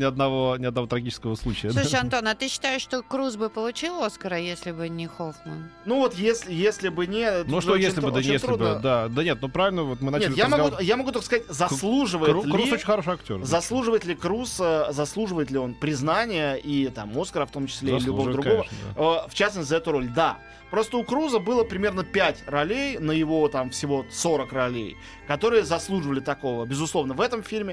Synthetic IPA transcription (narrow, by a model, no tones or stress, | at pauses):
nʲɪɐd̪nɐvo̞nʲɪɐd̪nɐvo̞t̪ɾɐɡʲit͡ɕɪskəvəslˠut͡ɕɪjəʂɐnt̪o̞nɐt̪ɨɕːɪ̥t̪ajɪʂʂt̪okɾuzbɨpəlˠʊt͡ɕilˠoskəɾəjesʲlʲɪbɨnʲɪxoxmənnuvo̞t̪jesʲlʲɪjesʲlʲɪbɨnʲɪt̪uʂʐoojesɪmʲlɪəbɨd̪aest̪ɾlʲɪudbəd̪ad̪ənʲet̪̚nupɾavɪlʲnəvot̪mɨnaɲɪelʲjamɐɡujamɐɡut̪okəskɐzatʲzɐslˠuʐɨvəjɪt̪lɾɪusot͡ɕɪnʲxɐɾoʂɨɐktʲo̰ɾzɐslˠuʐɨvəjɪt̪lʲɪkɾusəzɐslˠuʐɨvəjɪt̪lʲɪo̞npɾʲɪznanʲɪjəʔit̪a̰mːo̞skəɾəft̪o̞mt͡ɕɪ̥sʲlʲeɪilʲʊovəd̪ɾʊɡovə̰əft͡ɕasnəsʲəɛt̪ʊɾo̞lʲd̪a̰ | pɾo̞st̪əʊkɾuzəbɨlˠəpɾʲɪmʲe̞rnəpʲætʲrɐlʲejnəjɪvo̞t̪amfsʲɪvo̞so̞ɾəkrɐlʲḛj | kɐt̪o̞ɾɨjəzɐslˠuʐɨvəlʲɪt̪ɐko̞vəbʲɪzʊslˠo̞vnəvɛt̪əmfʲilʲmʲɪ